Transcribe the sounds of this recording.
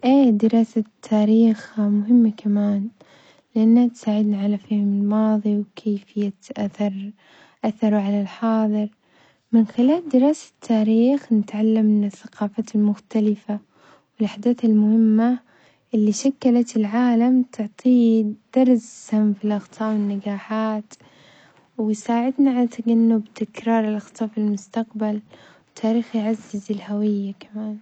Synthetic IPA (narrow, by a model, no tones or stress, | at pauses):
ʔeːd̪ɪɾɑːsat̪ʰːaːɾiːxmʊɦɪmːakʰamaːn | lɪʔanːat̪saːʕɪd̪naʕalafeːhmɪlmɑːðˤiwkʰeːfhɪjːat̪ʔaθɑɾˤ | ʔaθːɑɾˤʕalalħɑːðˤɨɾ | mɪnxɪlaːld̪ɪɾɑːsḁt̪ʰːaːɾiːxnɪt̪ʕalːamːɪnɪθːaqɑːfaːt̪ɪlmʊxt̪alɪfa | wɪlʔaħd̪aːθɪlmʊhɪmːa | ʔɪlːiʃakːalat̪ɪlʕaːlamt̪ʰʊʕt̪ˤʰiːd̪̥ɑɾˤzamfilʔɑxt̪ʰˤɑːʔwɪnːaɡaːħaːt̪ | wɪsaːʕɪd̪naʕalat̪ːaɡanːʊbt̪ɪkɾɑːɾˤɪlʔɑxt̪ˤɑːʔfilmʊst̪aqbal | wɪt̪ʰːaːɾiːxjʕazːɪzɪlhawɪjːakamaːn